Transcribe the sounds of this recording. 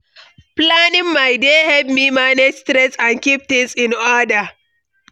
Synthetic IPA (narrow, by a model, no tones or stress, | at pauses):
planɪ̃ŋmajdehɛlp̚mimaned͡ʒstɾɛsãnkip̚t̪ɪ̃ŋsɪ̃nɔda